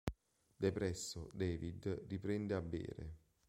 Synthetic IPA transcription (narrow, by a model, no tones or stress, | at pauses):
d̪epɾɛsːod̪ɛːvid̪ripɾɛnd̪eabːḛːɾḛ